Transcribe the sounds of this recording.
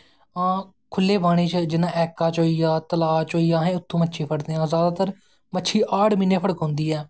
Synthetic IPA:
ãː | kʰʊlːeːbaːɽ̃eːt͡ʃd͡ʒɪnãːʔɛːkaːt͡ʃoːiːaːt̪əlaːt͡ʃoːiːãːɦɛ̃ːʊt̪ʰːõːmətːʃʰiːpʰəɽd̪eːãːzaːd̪aːt̪əɾ | mətːʃʰiːʔaːʈmɪnːeːpʰəɽəkɦõːnd̪iːɛː

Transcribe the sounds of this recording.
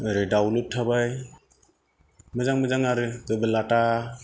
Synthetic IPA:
ɾedawlutʰːabaj | mɯzaŋmɯzaŋaɾɯɯbɯlata

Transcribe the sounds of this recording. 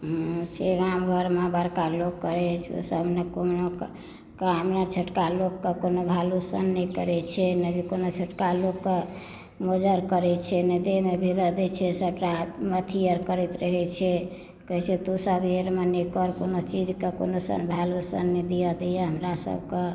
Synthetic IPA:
ɦũt͡ʃʰeamɡʱəɾmebaɾkalokːəɾɛt͡ʃʰṵsəbnekonok | kamnət͡ʃʰəʈkalokːekonobʱalusə̰nːɛkəɾɛt͡ʃʰɛnəd͡ʒikonot͡ʃʰəʈkalokːe | mod͡ʒəɾkəɾɛt͡ʃʰɛned̪emebʱeləd̪ɛt͡ʃʰɛsəʈːamət̪ʰijəɾkəɾɛt̪ɾəɦɛt͡ʃʰɛ | kəɦt͡ʃʰet̪usəbeɾmenikɔɾkonot͡ʃid͡ʒkeko̰nosə̰nbʱalosə̰nːid̪ijəd̪ɛjəɦəmɾasə̰bʱke

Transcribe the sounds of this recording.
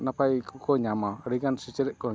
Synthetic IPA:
napaikukoɲamaɾiɡansit͡ʃɛɾɛʔko

